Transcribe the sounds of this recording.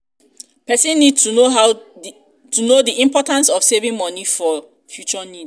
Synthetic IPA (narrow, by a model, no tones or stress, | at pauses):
pɛsĩnːid̚tuoɦa | tunodiĩmpɔtãnsɔfsevĩŋmɔnifɔ | fjut͡ʃɔnid